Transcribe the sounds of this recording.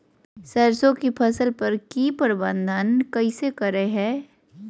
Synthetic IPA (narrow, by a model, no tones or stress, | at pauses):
sɐɾsõkipʰɐsəlpɐɾkiːpəɾɪbə̃nd̪ʱənkɐɪsekɐɾeɦɛː